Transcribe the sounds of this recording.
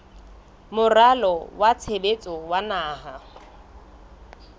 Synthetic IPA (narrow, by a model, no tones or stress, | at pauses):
mʊralɔwat͡sʰebet͡sʼɔwanaːɦa